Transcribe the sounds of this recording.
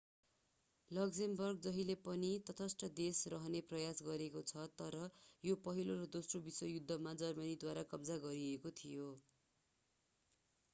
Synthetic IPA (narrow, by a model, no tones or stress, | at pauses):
lʌɡsembʌrɡ̚d͡zʌɦilepʌnit̪ʌt̪ʰʌsʈʌd̪esrʌɦʌneprʌjasɡʌɾekot͡sʰʌt̪ʌɾʌjopʌɦiloɾʌd̪osrobiswʌjud̪ʱːʌmad͡zʌrmʌnid̪waɾakʌbd͡zaɡʌɾiekot̪ʰijo